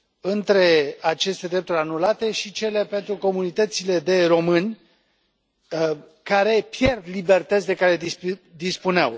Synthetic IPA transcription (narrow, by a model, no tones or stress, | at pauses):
ɨnt̪ɾe̞at͡ʃe̞st̪e̞d̪ɾe̞p̚t̪uɾʲanulat̪e̞ʃit͡ʃe̞le̞pe̞nt̪ɾuko̞munit̪ət̪sile̞d̪e̞ro̞mɨnʲ | kaɾe̞pje̞rd̪libe̞rt̪ət̪sʲd̪e̞kaɾe̞d̪id̪ispunea̰w